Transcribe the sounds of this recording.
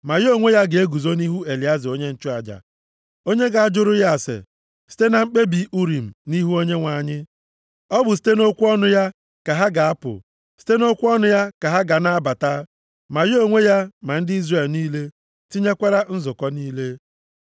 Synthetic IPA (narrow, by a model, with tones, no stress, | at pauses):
ma˨jo˦˨ŋʷe˦ja˦ɡe˦ɡu˨zo˦ni˦ɦu˦e˨li˨˦a˦zɪ˨o˦ɲe˦n̩˦t͡ʃʊ˦a˨d͡ʒa̰˨ | o˦ɲe˦ɡa˨a˦˨d͡ʒʊ˦ɾʊ˦ja˦˨sḛ˨ | si̥˦te˦na˨ŋ͡m̩˦k͡pe˦bi˨˦ʔu˦ɾi˨m̩˨ni˦ɦu˦o˦ɲe˦ŋʷa˨ɲɪ˦ | ɔ˦bʊ˨s̬i̥˦te˦no˦kʷu˦ɔ˦nʊ˦ja˦ | ka˨ɦa˦ɡa˨a˦pʊ̰˨ | si̥˦te˦no˦kʷu˦ɔ˦nʊ˦ja˦ka˨ɦa˦ɡa˨na˦ba˨ta˦ | ma˨jo˦˨ŋʷe˦ja˦ma˨n̩˦dɪ˦i˦zre˨lniː˦le˦ | ti˦ɲe˦kʷa˦ɾa˦n̩˦zʊ˨kɔ˦niː˦le˦